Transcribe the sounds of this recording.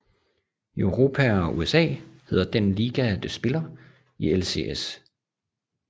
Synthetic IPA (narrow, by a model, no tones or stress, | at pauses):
øʊʁo̝ːpʰæɒ̽ʔuesɛ̰ːhe̝ð̞ˠɐd̥enliːɡ̥æd̥esb̥e̝lɐ | ielse̝̰es